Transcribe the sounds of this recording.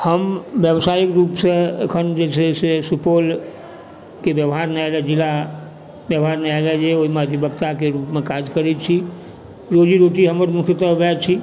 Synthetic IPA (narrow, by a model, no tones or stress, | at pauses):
həmbjəbsaikɾupsẽḛkʰənd͡ʒesʰesesupol | kebjəbɦaɾnɛɛlɛd͡ʒila | bjəbɦaɾnɛalɛd͡ʒeoɦimeəd̪ibəbt̪akeɾupmekad͡ʒkəɾɛt̪t͡ʃʰi | ɾod͡ʒiɾoʈiɦəməɾmukʰt̪əbɛt͡ʃʰi